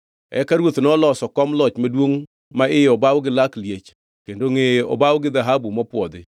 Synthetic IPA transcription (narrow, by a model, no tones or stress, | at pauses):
ɛ̰kaɾwot̪nɔlɔsɔkɔmlɔt͡ʃmadwoŋ | maɪjɔbawɡɪlakljet͡ʃ | kendoŋeɔ̰bawɡɪðaɦabumɔpwɔd̪ɪ